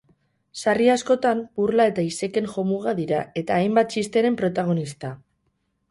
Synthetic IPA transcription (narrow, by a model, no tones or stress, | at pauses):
sariasko̞t̪amburlae̞t̪aise̞ke̞ŋxo̞muɣaðiɾae̞t̪aːjmbat̪̚t͡ʃist̪e̞ɾe̞mpɾo̞t̪aɣ̞o̞nist̪a